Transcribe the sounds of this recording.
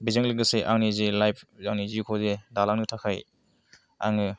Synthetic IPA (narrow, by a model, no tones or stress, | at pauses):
bizaŋliɡɯseʔaŋnizelajpʰzaŋnizikʰozedalaŋnɯtʰakʰaj | a̰ŋɯ